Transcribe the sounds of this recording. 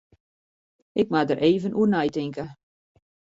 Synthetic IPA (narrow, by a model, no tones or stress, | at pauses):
ʔɪk̚madəɾʔeːvənʔuərnɛjtɪŋkə